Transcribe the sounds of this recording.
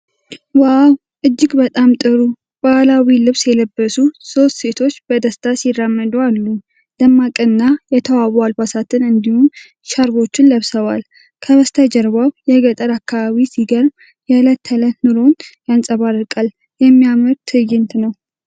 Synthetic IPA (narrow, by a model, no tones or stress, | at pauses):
waw | ʔɨd͡ʒːɪɡbət̪ʼamt̪ʼɨɾu | b̥alawilɨβsjɛləbːəsuso̞st̪se̞t̪ʰo̞t͡ʃːbəd̪əst̪ʰasirːamːəd̪ualːu | d̪̥əmːakʼɨnːajɛt̪ʰəwawalbasat̪ʰɨnɨnd̪ihun | ʃaɾβo̞t͡ʃːɪnləβsəβal | kʰəβəst̪ʰad͡ʒəɾβaβjɛɡət̪ʼəɾakːaβaβisiɡəɾm | jɛlət̪ʰːələtnɨɾo̞njansʼəβarːɨkʼal | jɛmːijamɨɾt̪ʰɨjɪnt̪nəw